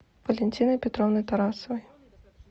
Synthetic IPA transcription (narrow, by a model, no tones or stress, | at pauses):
vɐlʲɛnʲt͡sʲinɐpʲɛt̪ɾɔwnɐjt̪aɾasɐvɐj